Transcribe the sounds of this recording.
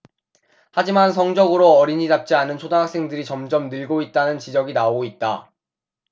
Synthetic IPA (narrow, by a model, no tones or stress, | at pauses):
had͡ʑimansʰʌŋd͡ʑʌɡɯɾoʌɾiɲidap̚t͡ɕ͈ianɯnt͡ɕʰodaɦak̚s͈e̞ŋdɯɾit͡ɕʌmd͡ʑʌmnɯɭɡoit̚t͈anɯnt͡ɕid͡ʑʌɡinaoɡoit̚t͈a